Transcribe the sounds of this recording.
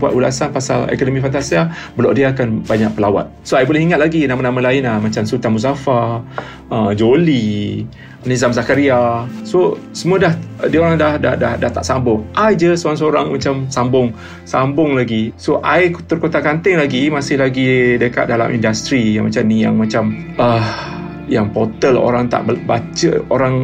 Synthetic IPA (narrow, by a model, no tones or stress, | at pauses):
bua̰t̪ula̰sanpasa̰lḛkonomĩfant̪asiabəlaʔdiaːkanbaɲaʔ̚pəlawa̰t̪̚soajbolɛhiŋat̪̚laɡinamanãmalaɪnahmat͡ʃamsut̪amus̬afa | əd͡ʒoli | nizamzakaɾiasosəmũədahdioɾaŋdahda̰hda̰hdaht̪aʔsambʊŋʔad͡ʒəsoaŋsoɾaŋmat͡ʃamsambʊŋ | sambʊŋlaɡisoʔajkt̪ərkot̪akant̪ɪŋlaɡimasɪhlaɡidəka̰t̪̚dala̰mʔḭndast̪ɾija̰ŋmat͡ʃamnija̰ŋmãt͡ʃam | əh | jaŋpot̪əlo̰ɾaŋt̪a̰ʔbbat͡ʃəoɾaŋ